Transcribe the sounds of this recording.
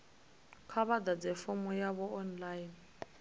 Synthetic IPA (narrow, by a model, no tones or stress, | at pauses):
kʰaβadad͡zɛfɔmʊjaβɔɔnlain